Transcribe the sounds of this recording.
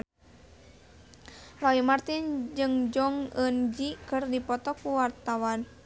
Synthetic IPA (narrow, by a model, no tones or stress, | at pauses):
lɔimart̪ind͡ʒɨŋd͡ʒɔŋənd͡ʒikɨrdipɔt̪ɔkuwart̪awan